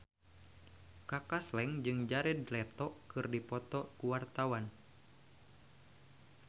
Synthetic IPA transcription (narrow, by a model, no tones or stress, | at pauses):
kakaslɛŋd͡ʒɨŋd͡ʒaɾɛdlɛt̪ɔkɨrdipɔt̪ɔkuwart̪awan